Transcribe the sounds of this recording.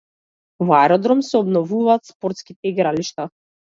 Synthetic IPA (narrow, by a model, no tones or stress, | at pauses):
vaɛɾɔd̪ɾɔmsɛɔbnɔvuvaːt̪spɔɾt̪skit̪ɛiɡɾaliʃt̪a